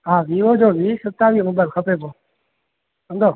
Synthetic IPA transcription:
ɦaːʋiːʋoːd͡ʒoːʋiːsət̪aːʋiːmʊbaːlkʰəpeːpoː | ə̃nd̪oː

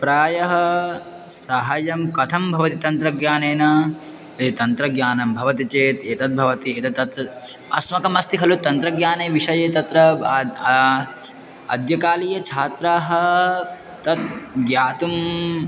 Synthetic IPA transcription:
pɾaːjɐɦɐ | sɐɦajɐmkɐt̪ʰɐmbʱɐʋɐt̪it̪ɐnt̪ɾɐɡjaːneːnɐ | t̪ɐnt̪ɾɐɡjaːnɐmbʱɐʋɐt̪it͡ʃeːt̪eːt̪ɐt̪̚bʱɐʋɐt̪ieːt̪ɐt̪ɐt̪ | ɐsmɐkɐmɐst̪iɦɐlut̪ɐnt̪ɾɐɡjaːneːʋiʂɐjeːt̪ɐt̪ɾɐ | ɐ̰d̪ʱjɐkaːliːjɐt͡ʃʰaːt̪ɾaːɦɐ | t̪ɐt̪̚ɡjaːt̪um

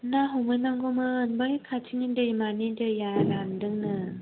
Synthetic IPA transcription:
naɦɔŋɯjnaŋɡomɯːnbɯjkʰatʰinidɯjimanidɯjalandɯŋnɯ

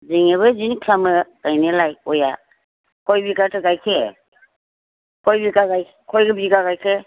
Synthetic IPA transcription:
ziŋeβɯzinkʰlamɯkajnelajɔja̰ | kʰɔjbiɡatʰɯɡajkʰe | kʰɔjbiɡaɡajʰ | kʰɔjɡɯbiɡaɡajkʰe

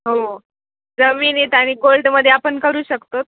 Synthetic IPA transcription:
ɦo | d͡zəʋiːniːt̪jaɽ̃iːɡolɖməd̪ʱːjeapəɳkəɾuːɕəkt̪ot̪̚

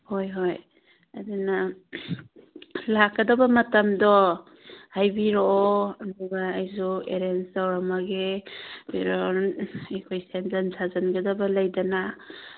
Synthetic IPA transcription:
hojɦoj | aduna | lakːɐdɐbɐmɐtamdɔ | hajbiɾoːɐduɡaːjzuḛɾensawɾamaɡebiɾonekʰojsenzansʰazanɡɐdɐbɐlajdana

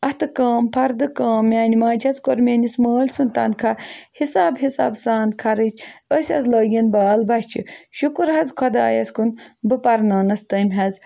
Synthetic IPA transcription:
ɐht̪ɨkaːmpʰɐɾd̪ɨkaːmjaːnimaːd͡ʒʰɐzkoɾmʲeːnisməːlʲsunt̪ɐ̰nkʰahisaːbɦisa̰ːbsaːnd̪̚kʰɐɾɨt͡ʃʰəsʲɐ̰zloːɡinbaːlbɐht͡ʃʰḭʃukuɾɦɐzkʰɐd̪a̰ːjɐ̰skunbɨpɐɾnɐːnɐst̪ɐmʲɦɐz

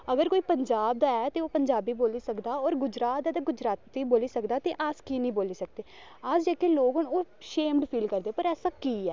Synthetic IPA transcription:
əɡəɾkoːiːpəɲd͡ʒaːb̚d̪aːɛːt̪eːoːpəɲd͡ʒaːbiːboːliːsəkd̪aːɔːɾɡʊd͡ʒɾaːt̪̚d̪aːt̪eɡʊd͡ʒɾaːt̪ːiːboːliːsəkd̪aːt̪eːʔaːskiːnəĩːboːliːsək̚d̪eː | aːsd͡ʒɛːkeːloːɡɦʊnoːʃeːmɖpʰiːlkəɾd̪eːpəɾɛːsãːkiːɛː

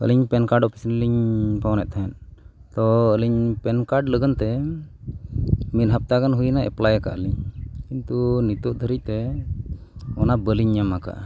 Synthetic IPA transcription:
ə̰liɲpɛnkaɾɖɔpʰi̥sinliɲpawnɛ̰ʔ̪̚t̪ʰaɦɛnt̪ɔəliɲpɛnkaɾɖləɡənt̪ɛ | mit̪̚ɦap̚t̪akanɦujnaʔɛ̰plajaka̰ʔəliɲkint̪unit̪uʔ̚d̪ʱəɾic̚t̪ɛ | ɔnabəliɲːamaka̰ʔa

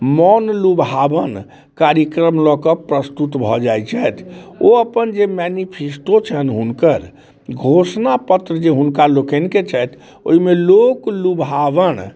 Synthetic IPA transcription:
mɔnlubʱɦabən | kaɾjəkɾəmlɔkəpɾəst̪ut̪bʱɔd͡ʒajt͡ʃʰɛt̪ʰoəpənd͡ʒemɛnipʰesʈot͡ʃʰənɦunkəɾ | ɡʱosnapət̪ɾəd͡ʒeɦunkalokə̃nket͡ʃʰɛt̪ʰ | o̰ɦimeloklubʱɦaʋən

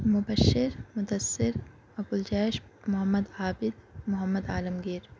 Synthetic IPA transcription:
mʊbɐʃːɪɾmʊd̪ɐsːɪɾ | ɐkʊld͡ʒɛːʃmʊɦɐmːəd̪aːbɪd̪mʊɦəmːəd̪aːlɐmɡɪɾ

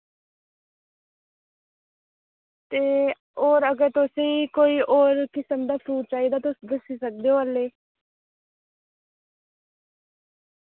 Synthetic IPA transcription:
t̪eː | oːɾəɡəɾt̪ʊsĩːkoːiːʔoːɾkɪsəmd̪aːpʰɾuːt͡ʃaːiːd̪aːt̪ʊsd̪əsiːsək̚d̪eoːəleː

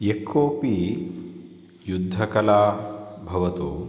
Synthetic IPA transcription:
ekʰːoːpi | jud̪ʱːɐkɐlaːbʱɐʋɐt̪u

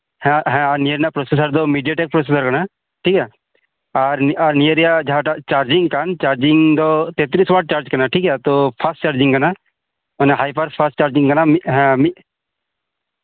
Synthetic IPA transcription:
hɛ̃ɦɛ̃nɪjəɾnapɾoːsesəɾd̪omiɖijaʈek̚pɾoːsesəɾkɐna | ʈʰiːkɦɛː | aɾaɾnijəɾijad͡ʒɦaʈt͡ʃaːɾd͡ʒĩŋɡkant͡ʃaːɾd͡ʒɪŋɡd̪ot̪eːt̪ɾiːsʋaːɖ̚t͡ʃaːɾd͡ʒkɐɾnaʈʰiːkɛːt̪opʰasʈt͡ʃaːɾd͡ʒĩŋɡkɐna | oneɦaːjpəɾpʰəsʈt͡ʃaːɾd͡ʒĩŋkənamiɦɛ̃mi

